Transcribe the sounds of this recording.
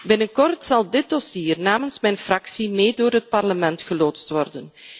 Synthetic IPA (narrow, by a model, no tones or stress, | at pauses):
bɪnənkɔrtsɑlˠdɪt̚dosiːrnaːmənsmɛjnfrɑksimeːdoːrɦət̚pɑrləmɛntxəloːtstʋɔrdən